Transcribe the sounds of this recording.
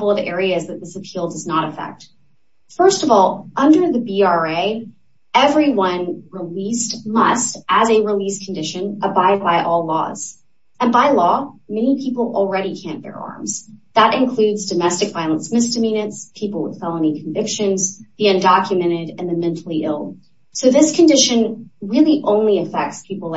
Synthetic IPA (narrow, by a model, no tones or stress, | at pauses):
bl̩ˠʌvɛɹiɨzðɨt̪̚ðɪsɨpʰilˠdʌznəɾɨfɛ̰k̚t̚ | fɜ˞stʌvɔlˠʔʌ̃ndə˞ðɨbiɑɹeɪ | ɛvɹiwʌ̃nɹɪlistmʌstʔɨzɨɹɪliskʰn̩dɪʃɨ̃nʔəbaɪd̚baɪʔɔlˠlɔ̰z̥ | ɨ̃nbaɪlɔmɛnipʰipl̩ˠl̩ˠɹɛɾikʰæ̃nbə̰˞ɑ̰ɹmz̥ðəɾʔɨ̃nkʰl̥ʉdzdɨmɛstɨkv̥aɪlˠə̃nsmɪsdɨmĩñɨtspʰipl̩ˠwə̰ð̥fɛlˠə̃nikʰɱvɪkʃɨ̃nzðiɨ̃ndɑkʰjɨmɛ̃ɾ̃ɪɾɨ̃nðɨmɛ̃ntʰˡl̩ˠiʔɪ̰lˠ | soʊðɪskʰɨ̃ndɪʃɨ̃nɹɪlˠiʔõʊ̃nliɨfɛk̚tspʰipl̩ˠ